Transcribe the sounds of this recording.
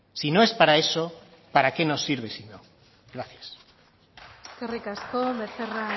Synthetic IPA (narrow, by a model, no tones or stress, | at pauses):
sino̞e̞spaɾae̞so | paɾake̞no̞sːiɾβ̞esino | ɡɾaθjḁs | kerikaskomeθera